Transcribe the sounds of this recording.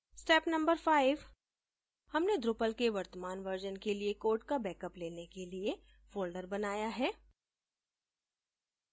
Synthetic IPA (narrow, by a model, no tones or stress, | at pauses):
sʈɛːpnɐ̃mbəɾfaːɪʋ | hɐmned̪ɾʊpəlkeʋɐɾt̪əmaːnʋəɾd͡ʒənkeliekoːɾʈkabɛːkəpleːnekelie | foːlɖəɾbɐnaːjaɦɛː